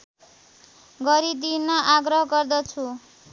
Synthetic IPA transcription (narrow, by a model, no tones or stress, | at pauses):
ɡʌɾid̪inːʌʔaɡɾʌɦʌɡʌrd̪ʌt͡sʰu